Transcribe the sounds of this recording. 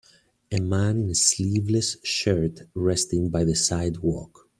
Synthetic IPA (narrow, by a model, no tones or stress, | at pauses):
ɨmæ̃nɪ̃nəslivləsʃɜ˞tɹɛstɪ̃ŋbajðəsaɪdwɔ̰k